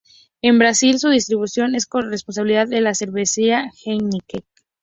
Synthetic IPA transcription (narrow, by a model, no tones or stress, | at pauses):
e̞mbɾasilsuðist̪ɾiβusjo̞ne̞sko̞nrespons̬aβiliðaðːe̞lase̞ɾβesiaxenikek